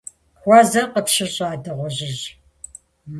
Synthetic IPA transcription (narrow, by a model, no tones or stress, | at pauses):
xʷɑːzɐqəpɕɪɕʼaːdɨʁʷɔʑɪʑ | m